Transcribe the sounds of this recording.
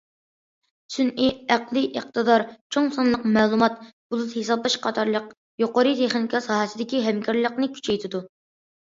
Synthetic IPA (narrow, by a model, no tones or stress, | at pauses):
synʔiæqlˠiʔəqt̪ʰɨd̪ɑɾt͡ʃʰoŋsɑnlˠəqmɛːlˠumɑt̪̚b̥ulˠut̪hesɑblˠɑʃqʰɑt̪ʰɑɾlˠəq | joqoɾɨt̪ʰeχnɪikʰɑsɑːɦɛsɪd̪ɪkʲiɦɛmkʰʲɑɾlˠəqnɨkʲʰy̥t͡ʃʰɛjt̪ʰɪd̪u